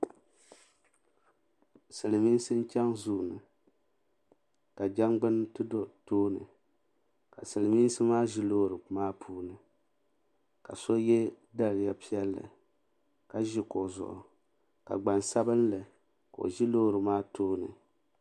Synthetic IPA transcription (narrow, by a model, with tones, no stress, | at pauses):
sɨ˨lɨ˨miː˦n˦sɨ˦n˦t͡ʃa˦ŋzu˦˨nɨ˨ | ka˨d͡ʒa˦ŋɡ͡bɨ˦ntɨ˦do˦˨toː˦nɨ˨ | ka˨sɨ˨lɨ˨miː˦n˦sɨ˦maː˦ʒi˦loː˦ɾɨ˨maː˦pʰuː˦nɨ˨ | ka˨so˦jɛ˦ | da˦ɾɨ˨ja˨pi˦ɛ˦lːɨ̰˨ | ka˨ʒi˦ko˨zʊ̰˨ʔʊ̰˨ | ka̰˨ɡ͡ba˨nsa˦bɨ˦nlɨ˨ | ko˨o̰˨ʒi˦loː˦˨ɾɨ˨maː˦toː˦nɨ̰˨